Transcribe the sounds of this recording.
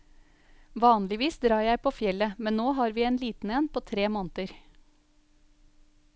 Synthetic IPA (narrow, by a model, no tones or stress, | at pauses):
ʋɑːnlɪʋiːsd̪ɾɑːjæɪpʰoːfjɛləmɛnnoːɦɑːɾʋiːeːnliːt̪n̩ɛnpʰoːt̪ʰɾeːmoːnət̪əɾ